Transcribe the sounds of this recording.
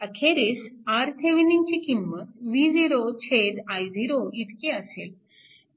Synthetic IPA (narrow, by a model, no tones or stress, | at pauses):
əkʰeɾisaɾt̪ʰeʋiniŋt͡ɕikimːət̪ʋiːziɾot͡ɕʰed̪ajd͡ziɾoit̪keəsel